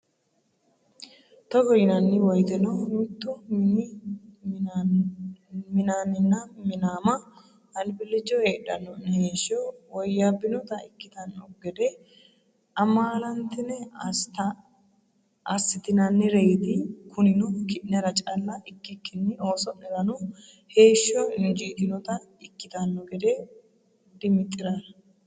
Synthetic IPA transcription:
t̪ɔɡɔjɪnɐnːɪwɔjt̪ɛnɔmɪt̪ːʊ | mɪnanɪnːɐmɪnaːmɐ | hɐnɪbɪlːɪd͡ʒɔeːᶑɐnɔnheːʃɔwɔjːabːɪnɔt̪ɐɪkːɪt̪ɐnɔɡɛd̪e | ʔɐmaːlɐnt̪ɪnɛɐst̪ɐ | ɐsːɪt̪ɪnɐnːɪɾɛjt̪ɪkʰʊnɪnɔkɪʔnɛɾɐt͡ʃʼɐlːɐɪkːɪkːɪnːɪo̞ːsɔnɛɾɐnɔ | he̞ːʃːɔnd͡ʒiːt̪ɪnɔt̪ɐ | ɪkːɪt̪ɐnːɔɡɛd̪e | d̪ɪmɪt̪ʼːɪɾaɾɐ

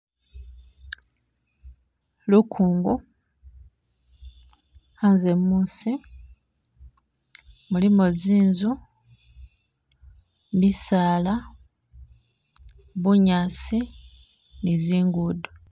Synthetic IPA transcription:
lukʰuːŋɡu | hanzemuːsi | mulimoziːnzu | mbisaːla | βuɲaːt͡si | niziːŋɡudo

